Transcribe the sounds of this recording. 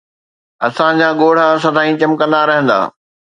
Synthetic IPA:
ɐsãd͡ʑaːɠoːɽ̤as̬ɐd̪ʱaːĩt͡ɕɐmkə̃nd̪aɾɐɦə̃nd̪a̰ː

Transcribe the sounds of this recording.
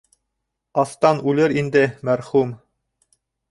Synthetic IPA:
ɑθt̪ɑnʉlɘɾind̪ɘmæɾχum

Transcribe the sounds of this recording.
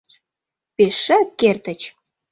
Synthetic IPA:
peʃːə̆kːert̪ə̆t͡ɕ

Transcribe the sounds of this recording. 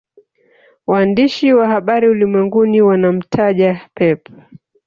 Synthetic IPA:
waːndiʃiwahaɓaɾiulimwɛŋɡuniwanam̩tʰaʄapɛpʰa

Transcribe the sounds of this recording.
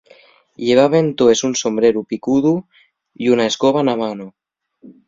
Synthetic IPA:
ʎeβ̞aβent̪oesunsombɾeɾupikuðu | iunaeskoβ̞anamano

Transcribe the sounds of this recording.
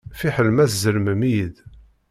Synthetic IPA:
fiħəlmæθzəlməmijəd̪

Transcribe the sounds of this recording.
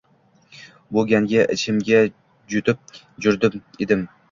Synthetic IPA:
boɡʲaŋɡʲaʔɪt͡ʃʰɪmɡʲa | d͡ʒʊt̪ʰɪp̚ | d͡ʒʊɾd̪ɪmed̪ɪm

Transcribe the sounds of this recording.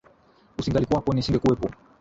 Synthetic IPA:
usiŋɡalikwapɔnisiŋɡɛkuɛpɔ

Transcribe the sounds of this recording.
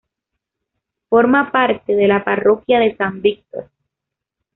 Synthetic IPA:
foɾmapaɾt̪eðelaparokjaðe̞sambik̚t̪o̰ɾ

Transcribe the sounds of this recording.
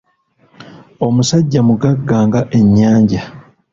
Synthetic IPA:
o̞musaɟːamuɡaɡːaːŋɡaʔe̞ɲːaːɲɟa

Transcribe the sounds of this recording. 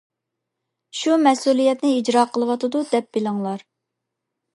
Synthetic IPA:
ʃumɛsulˠijɛt̪nɪid͡ʒɾɑqʰəlˠəwɑt̪ʰɨd̪ud̪ɛp̚bɪlɨŋlˠɑɾ

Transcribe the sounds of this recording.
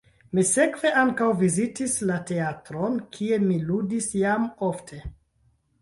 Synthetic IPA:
mise̞kv̥e̞ʔaŋkawvizitislate̞atɾonkʰie̞miludisjamoftʰe̞

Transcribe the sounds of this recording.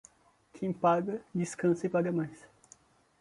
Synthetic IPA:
kʰẽj̃paɡɐd͡ʒiskɐ̃sɐipaɡɐmajs

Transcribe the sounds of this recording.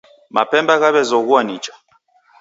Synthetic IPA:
ma̰pɛmbaɣaβɛzɔɣuanit͡ʃḁ

